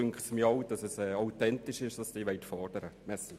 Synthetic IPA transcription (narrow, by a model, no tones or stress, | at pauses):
ʏŋkχtsmjɔwd̥ɑsɛsɛːɑʊtɛnt̪ɪʃɪʃd̥ɑsd̥iːʋɛɪtfɔrd̥əɾəmɛsl̩